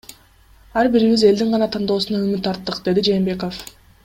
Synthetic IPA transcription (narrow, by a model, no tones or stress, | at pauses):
ɑɾbiɾiβize̞ld̪iɴʁɑnɑt̪ʰɑnd̪o̞ːsunɑymyt̪ːɑɾt̪ːɯqd̪e̞d̪id͡ʒe̞ːmbe̞ko̞f